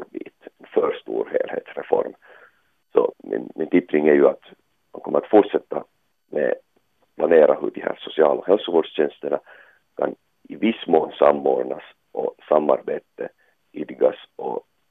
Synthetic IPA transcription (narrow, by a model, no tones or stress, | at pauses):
ɾbiːt̪ɛnfœːʂt̪ṵːɾhḛːlhḛːt̪sɾɛfɔ̰ɾm | sɔ̰mɪ̰nmʔɪnt̪ʰʏp̪ːɾɪŋæɾjɵat̪ | mankʰɔməɾat̪fuʈʂɛt̪ːa | mɛ̰ | pʰlaneːɾʔahɵɖihæ̰ːɾʂʊsɪɑːlɔɦɛlsʊvoːɖʂɕɛnst̪əɳa | kʰan | ɪvɪsːmoːnsamːoːɖɳas | ʔɔsamːaɾbeːt̪ə | ʏd̪ɡasɔ